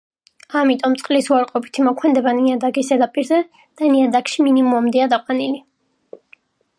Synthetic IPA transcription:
amit̪ʼɔmt̪sʼqʼlisuaɾqʼɔpʰi̥t̪ʰimɔkʰmɛnd̪ɛbaniad̪aɡisɛd̪apʼiɾzɛ | d̪̥aniad̪akʃiminimuamd̪ɛad̪aqʼwanili

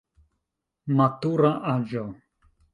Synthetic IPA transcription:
mat̪uɾaʔad͡ʒɔ

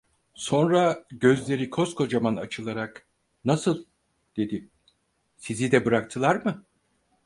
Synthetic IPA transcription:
so̞nɾaɟø̞zlʲe̞ɾikʰo̞skʰo̞d͡ʒamanat͡ʃʰɯlˠaɾak | nasɯlˠ | d̪̥e̞d̪i | sizid̪ɛbɯɾak̚t̪ʰɯlˠaɾmɯ

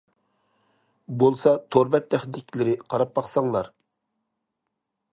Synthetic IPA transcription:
bolˠsɑt̪ʰoɾbɛt̪̚d̪ɛχd̪ɪkʲʰlɪɾɪqʰɑɾɑp̚bɑχsɑŋlˠɑɾ

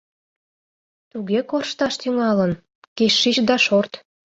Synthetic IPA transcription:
t̪uɣekorʃt̪ɑʃt̪yŋɑlən | keʃːit͡ɕd̪ɑʃort̪

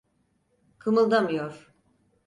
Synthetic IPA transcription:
kʰɯmɯlˠd̪amɯjoɾ̥

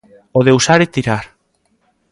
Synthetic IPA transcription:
oðeusaɾet̪iɾaɾ

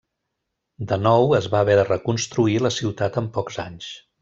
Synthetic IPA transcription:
d̪ənɔwəzβaːβɛðərəkunst̪ɾuiləsiwt̪at̪əmpɔkz̥aɲs

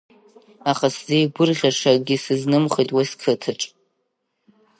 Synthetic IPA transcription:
aχaszejɡʷʊrʁʲaʂaɡʲisɨznɨmχejtʼwaskʰɨtʰɨʈ͡ʂʼ

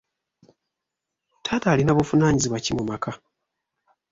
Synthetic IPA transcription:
tʰaːtaːlinaβufunaːɲiziβwacimumakʰa

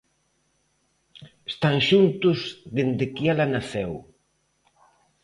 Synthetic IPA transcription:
est̪aŋʃunt̪ʊzðend̪ɪkialanaθɛw

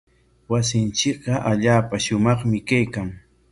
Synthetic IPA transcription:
was̬ɪnt͡ʃɪk̚ɢɑʔaʎaːpaʃʊmɑχmɪkajkaŋ

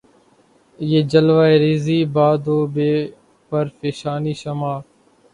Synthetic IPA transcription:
jeːd͡ʒəlʋaːeːɾiːziːbaːd̪oːbeː | pəɾfeːʃaːniːʃəmaː

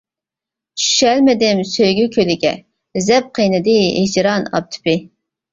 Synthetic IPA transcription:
t͡ʃʰy̥ʃɛlmɪd̪ɪmsøjɡʲykʲʰølɪɡʲɛ̰ | zɛp̚qʰijnɨd̪ɨed͡ʒɾɑnɑ̰p̚t̪ʰy̥pɪ

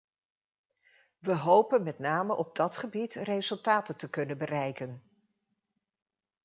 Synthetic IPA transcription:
ʋəɦowpənmɛtnaːməʔɔb̚dɑtχəbitrejzɵlˠtaːtəntəkɵnənbərɛjkən

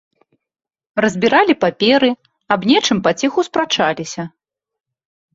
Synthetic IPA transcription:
rɐzʲbʲiɾalʲipapʲɛɾɨ | abnʲɛt͡ʂɨmpat͡sʲɛxuspɾat͡ʂalʲisʲɐ

